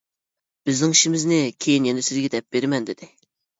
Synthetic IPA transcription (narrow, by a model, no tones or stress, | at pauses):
b̥ɪznɪŋiʃimɪznɪkʲʰejinjɛnɛsɪzɡʲɛd̪ɛp̚b̥eɾɪmɛnd̪ɪd̪ɪ